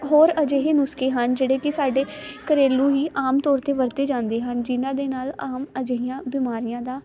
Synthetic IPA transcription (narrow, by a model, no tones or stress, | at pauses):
ɦoːɾəd͡ʒeːɦeːnʊskeːɦənd͡ʒeːɽeːkɪsaːɖeːkəɾeːlũːɦiːʔaːmt̪ɔːɾt̪eːʋəɾt̪eːd͡ʒãːnd̪eːɦənd͡ʒɪnãːd̪eːnaːlaːməd͡ʒeɦɪjãːbɪmaːɾɪjãːd̪aː